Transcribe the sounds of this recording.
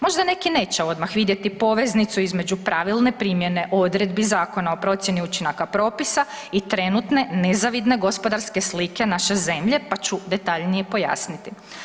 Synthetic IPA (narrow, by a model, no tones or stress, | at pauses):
mo̞ʒd̪ane̞kine̞ːt͡ɕeo̞d̪maxʋid̪je̞t̪ipo̞ʋe̞znit̪suizme̞d͡ʑupɾaʋilˠne̞pɾiːmje̞ne̞ʔood̪ɾe̞d̪bizaːko̞nao̞pɾo̞t̪sjeniut͡ʃinakapɾo̞ːpisa | it̪ɾe̞nut̪ne̞ne̞zaʋid̪ne̞ɡo̞spo̞d̪aɾskeslike̞naʃe̞ze̞mʎe̞pat͡ɕud̪e̞t̪aʎnije̞po̞ja̰snit̪i